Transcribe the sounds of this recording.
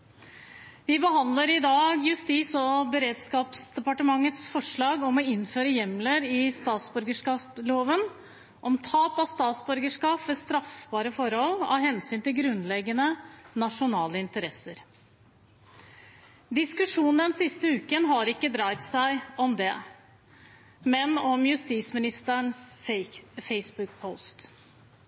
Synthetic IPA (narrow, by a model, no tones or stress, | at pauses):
ʋɪbəɦɑnd̪ləɾɪd̪ɑːɡjʉst̪iːsɔbəɾeːd̪skɑːpsd̪ɛpɑʈəmɑŋːət̪sfɔʂɭɑːɡɔmɔɪnføːɾəjɛmləɾɪst̪ɑːt̪sbœɾɡəʂkɑːploːʋən | ʔɔmt̪ʰɑːpɑt̪st̪ɑːt̪sbœɾɡəʂkɑːpʋɛst̪ɾɑfbɑːɾəfɔɾhɔlɑ̰hɛnsyːnt̪ɪlɡɾʉnːlɛɡːənənɑʂʊnɑːləɪnt̪əɾɛsəɾ | d̪ɪskʉʂuːnn̩ɛnsɪst̪əʉːkənɦɑɾɪkːəd̪ɾɑɪt̪sæɪɔmd̪ɛ | mɛnɔmjʉst̪iːsmɪnɪst̪əɳs | fɛɪsbʉk̚pʰɔʊst̪